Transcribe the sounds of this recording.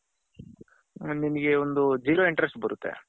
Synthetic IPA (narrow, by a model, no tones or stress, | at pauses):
niniɡe̞ond̪ud͡ʒiːɾoːiɳʈɾesʈbɐɾut̪ːḛ